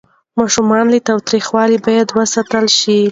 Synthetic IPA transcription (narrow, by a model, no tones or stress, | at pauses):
mɑʃumɑnlit̪ɑwt̪ɾixwɑlibɑjad̪wəsat̪əlʃi